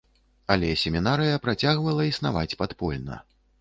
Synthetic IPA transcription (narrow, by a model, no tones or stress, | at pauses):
alʲɛsʲemʲinaɾɨjɐpɾat͡sʲaɣvɐlˠɐisnavat͡sʲpat̪pɔlʲnɐ̰